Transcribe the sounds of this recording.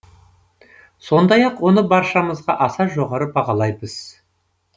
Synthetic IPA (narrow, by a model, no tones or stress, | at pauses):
so̞nd̪ɑjɑqwo̞nəbɑɾʃɑməzʁɑʔɑsɑʒo̞ʁɑɾəbɑʁɑlˠɑjbəz̥